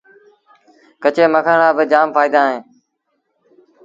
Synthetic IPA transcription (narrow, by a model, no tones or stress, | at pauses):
kət͡ʃeːməkʰəɳãːbəd͡ʒaːmfaːiːd̪ãːɦẽː